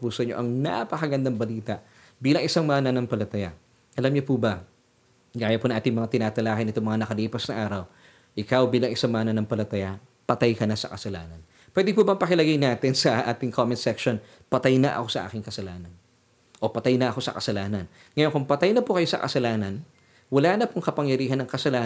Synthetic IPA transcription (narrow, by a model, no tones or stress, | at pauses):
puːsoɲo̞ʔɐŋna̰pɐkɐɡɐnd̪aŋbɐliːt̪ɐʔ | biːlɐŋʔɪsaŋmaːnɐnɐŋpɐlɐt̪ɐja | ʔɐlamɲopubɐ | ɡaːjɐpʊnɐŋʔaːt̪ɪŋmɐŋat̪ɪnaːt̪ɐlaːkɪnɪt̪oŋmɐŋanɐkɐliːpɐsnɐʔaːɾɐw | ʔɪkawbiːlɐŋɪsaŋmaːnɐnɐŋpɐlɐt̪aja | pɐt̪ajkɐnɐsɐ̰kɐsɐla̰ːnɐn | pwɛd̪ɪpubɐmŋpɐkɪlɐɡajnaːt̪ɪnsɐʔa̰ːt̪ɪŋkʰomɛnt̪sɛkʃon | pɐt̪ajnɐʔɐ̰ko̞sɐ̰ʔa̰ːkɪŋkɐsɐlaːnɐn | ʔo̞pɐt̪ajnɐʔɐko̞sɐ̰kɐsɐlaːnɐn | ŋɐjonkʊŋpɐt̪ajnɐpukɐjosɐ̰kɐ̰sɐlaːnɐn | wɐlaːnɐpʊŋkɐpɐŋjɐɾiːɦɐnːɐŋkɐsɐlaː